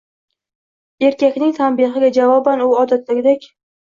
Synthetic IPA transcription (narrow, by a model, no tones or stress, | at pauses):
e̞ɾkʲakʲnɪŋt̪ʰanbiɦɪɡʲad͡ʒavɒbanʊɒd̪at̪laɡʲɪd̪ekʲ